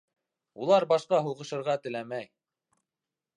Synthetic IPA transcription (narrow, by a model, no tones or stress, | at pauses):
ulˠɑɾbɑʃqɑɦuʁɤ̆ʃɤ̆ɾʁɑt̪ɘ̆læmæj